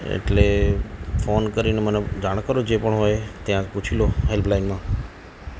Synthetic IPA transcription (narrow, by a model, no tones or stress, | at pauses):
ḛʈle | fonkəɾineməned͡ʒaɽ̃kəɾod͡ʒepəɳɦojt̪jãput͡ʃʰiloɦelpʰlaɪnmã